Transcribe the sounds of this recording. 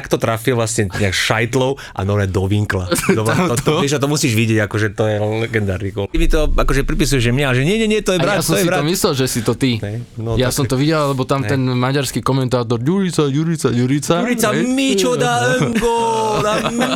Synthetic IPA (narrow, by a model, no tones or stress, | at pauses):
kt̪ɔt̪ɾafilʋlasɲɛɲɛakʃajt̪lɔʊ | ʔa̰nɔɾmɛd̪ɔʋiŋklaɔt̪ɛʒat̪̬ɔmusiːʒʋiɟɛɟakɔʒɛt̪ɔjɛlɛɡɛnd̪a̰ːɾniɡɔmit̪ɔakɔʒɛpɾipisujɛʒʒɛmɲɛalɛʒɛɲɛɲɛɲɛt̪ɔjɛbɾjaasɔ̃miɾaɔmislɛlʒɛsit̪ɔt̪iɛnjasɔmt̪ɔʋiɟɛlalɛbɔt̪amt̪ɛnmaɟaɾskikɔmɛnt̪aːt̪̬ɔɾɟuɾit͡saɟuɾit͡saɟuɾit͡saɾit͡samit͡ʃɔaɛɡɔnam